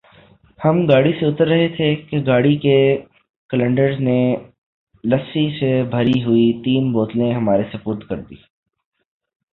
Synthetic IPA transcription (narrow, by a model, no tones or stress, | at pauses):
hɐmɡaːɽiseʊt̪əɾːɐɦet̪ʰekeɡaːɽike | kələ̃ɳɖəɾzne | lɐsisebʱɐɾiɦʊit̪iːmboːt̪lẽɦɐmaːɾesepʊːɾt̪ʰkɐɾd̪ḭː